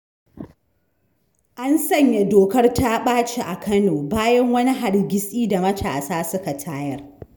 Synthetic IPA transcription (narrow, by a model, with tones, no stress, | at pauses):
ʔa˦nsɐ˦˨ɲja˨doː˨kɐ˦rta˦ɓaː˦t͡ʃe˨ʔa˨kʰɐ˦noː˨baː˦jɐ˦ŋwɐ˦ni˦ɦa˨rɡʲɪ˦sʼiː˦da˨mɐ˦tʰa̰ː˨saː˦sʊ˦ka˨tʰaː˦jɐ˦r